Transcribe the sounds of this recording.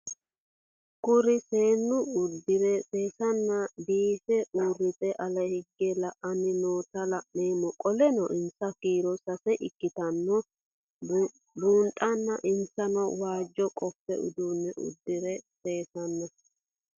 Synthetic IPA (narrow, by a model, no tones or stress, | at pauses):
kʊɾɪse̞ːnːʊʊd̪ːɪɾɛseːsɐnːɐbiːfɛʔuːrːɪt͡sʼɛʔɐlɐhɪɡːɛlɐʔɐnɪnoːt̪ɐlɐʔneːmɔkʼɔlɛnɔʔɪnsɐkiːɾɔsɐfɛʔɪkːɪt̪ɐnːɔ | buːnt̪ʼɐnːɐʔɪnsɐnɔwaːd͡ʒːɔkʼɔfːɛ̰ʊ̰d̪uːnːɛʔʊ̰d̪ːɪɾɛse̞ːsɐnːɐ